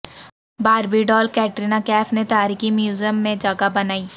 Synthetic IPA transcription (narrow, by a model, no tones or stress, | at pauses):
baːɾbiɖɔːlkɛːʈɾiːnakɛːfnet̪aːɾiːkimjuːzəmːẽd͡ʒɐɡabɐnaːiː